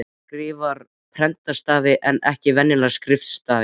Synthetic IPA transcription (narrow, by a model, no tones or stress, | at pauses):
kɾiːvaɾ̥ | pʰɾɛnt̪ast̪aːvɪʔɛnɛhcɪvɛnːɪlḁskɾɪft̪st̪aːvɪ